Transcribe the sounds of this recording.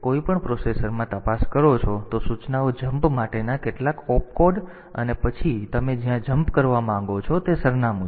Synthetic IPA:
koipəɳpɾosesəɾmãt̪əpaskəɾot͡ʃʰot̪osut͡ʃnaod͡ʒəmpmaʈenakeʈlakɔpkoɖ | ə̰nepət͡ʃʰit̪əmed͡ʒijãd͡ʒəmpkəɾʋamãŋɡot͡ʃʰɔt̪esəɾnamũ

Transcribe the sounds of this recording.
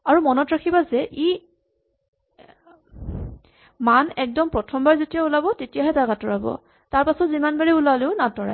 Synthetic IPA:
aɹumɔnɔtɹakʰibazɛʔi | manɛk̚dɔmpɹɔtʰɔmbaɹzetijaulabɔtetijaɦɛtaɡatɔɹabɔ̰ | taɹpasɔtzimanbaɹiulaleʊnatɔɹa̰

